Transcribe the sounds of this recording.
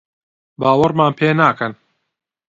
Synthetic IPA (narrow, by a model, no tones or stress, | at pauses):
baːwɐɾmaːnpʰeːnaːkɐn